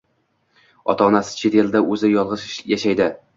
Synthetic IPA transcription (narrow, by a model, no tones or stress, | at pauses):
ɒ̰t̪ʰaɒnasɪ̥t͡ʃʰet̪ʰe̞ld̪aʔɵzɪjɒlˠʁɨʃjaʃajd̪ɪ